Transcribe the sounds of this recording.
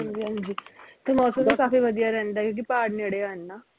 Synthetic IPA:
ɦad͡ʒiɦãnd͡ʒit̪əmɔːsə̃mekaːfiʋɐd̪ijaɾɛ̃nd̪aɛkjõːk̬ipaːɖneːɽeaːnːaː

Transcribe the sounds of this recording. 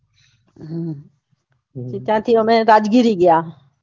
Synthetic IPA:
t͡ʃɪt̪jãːt̪ʰiːomẽːɾaːd͡ʒɡiɾiːɡɪjaː

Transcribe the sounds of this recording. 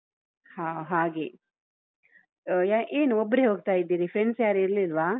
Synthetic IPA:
haːɦaːɡe | aʔeːnuɔbːəɾeɦoːɡ̚t̪aːjid̪ːiːɾipʰɾeɳsjaːɾiɾlilʋaː

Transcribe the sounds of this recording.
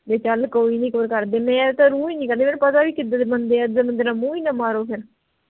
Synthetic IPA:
d̪eːt͡ʃəlkoːiːnĩːkəəɾkəɾd̪eːmɛ̃ːt̪ãːɾũːiːnĩːkəɾd̪eːmɛ̃npət̪aːʋiːkɪd̪ət̪ːbənd̪eːɛzəːmənd̪əɾnãːmũːiːnaːmaːɾoːpʰɪɾ

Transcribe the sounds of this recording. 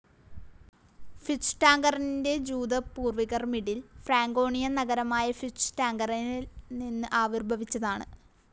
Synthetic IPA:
fisʈaːŋɡɐrinnde̞d͡ʑuːd̪ɐpuːrʋiɣɐrmiɽilfraːŋɡo̞ːɳijɐnɐɡɐɾɐmaːjɐfisʈaːŋɡɐrinninːɨʔaːʋurbʱɐʋit͡ɕːɐðaːɳɨ̰

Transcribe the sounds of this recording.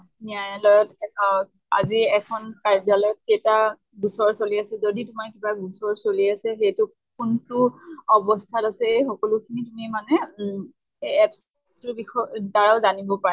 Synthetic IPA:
niajɔlɔjɔtɛɔ | aziɛkʰɔnkaɹbjalɔjɔtːeta | ɡusɔɹsoliasɛzoditʊmaɹkibaɡusɔɹsoliasɛxejtʊ | kuntʊɔbɔstʰatasɛejxɔkɔlʊkʰinitumimanɛ | ɛps | tʊbixɔtaɹaʊzanibɔpaɹɛ

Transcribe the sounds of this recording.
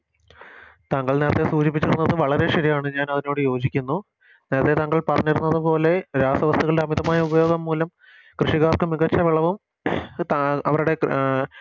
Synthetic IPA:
t̪aŋːɐɭneːɾɐt̪ːe̞suːt͡ɕipːit͡ɕːiɾunːɐðɨʋɐɭɐɾe̞ɕɐɾijaːɳɨɲaːnɐðino̞ːɽɨjo̞ːd͡ʑikʲːunːu | neːɾɐt̪ːe̞t̪ɐŋːɐɭpɐrɐɲːiɾunːɐðɨpo̞ːle̞ɾaːsɐʋɐst̪uɣɐɭɨɖeɐmiðɐmaːjɐubɐjo̞ːɡɐmːuːlɐm | krɨʂiɣaːrkɨmiɣɐt͡ɕːɐʋiɭɐʋum | t̪ɐʋɐɾuɽe̞

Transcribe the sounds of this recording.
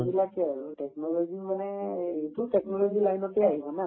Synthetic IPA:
bilakɛaɹutɛknɔlɔzimanɛetutɛknɔloɡilajnɔteaɦibɔna

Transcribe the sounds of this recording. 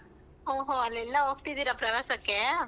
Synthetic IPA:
oːɦoːɐlːɪlːãok̚t̪id̪iɾɐpɾɐʋeːsɐkːe

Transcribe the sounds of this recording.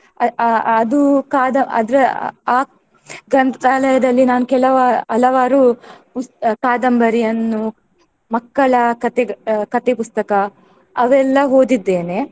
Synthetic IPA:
ɐɐd̪ukaːd̪ɐɐ̰d̪ɾɐaː | ɡɐnd̪aːlɐjɐd̪ɐlːinaːnukɛlɐʋaɐlɐʋaːɾupuskaːd̪ɐmbɐɾijɐnːu | mɐkːɐɭɐkɐt̪ekɐt̪epust̪ɐkɐ | ɐʋɛlːɐɦoːd̪id̪ːeːne̞

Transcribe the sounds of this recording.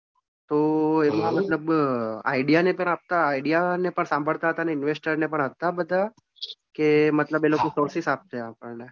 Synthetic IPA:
t̪oemãmət̪ləba̰iɖijanepəɽap̚t̪aːiɖijanepəɳsãmbʱəɭt̪aɦət̪aneɪnʋesʈəɾnepəɳɦət̪abəd̪ʱa | kemət̪ləbelokosoɾsisap̚t̪eapəɭɳe

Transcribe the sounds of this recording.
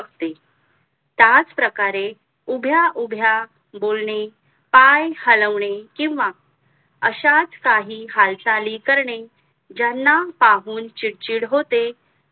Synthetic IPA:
əkt̪e | t̪jat͡spɾəkaɾe | ubʱjaʔubʱja | bolɳe | pajhələʋɳekĩw̃ʋa | əɕat͡skaɦiːɦalsaliːkəɾɳe | d͡ʑanːapaɦuːnt͡ɕiɽt͡ɕiːɽɦot̪e

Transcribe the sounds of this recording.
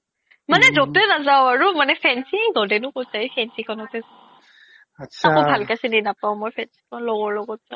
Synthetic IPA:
manɛzok̚tɛnazaʊaɹumanɛpʰɛnsiŋdɔdɛnʊkotzajpʰɛnsikʰɔnɔtɛza | akɔbʱalkasindinapaʊmojpʰɛnsi̥kʰɔnlɔɡɔɹlɔɡɔt̚z̥aʊ

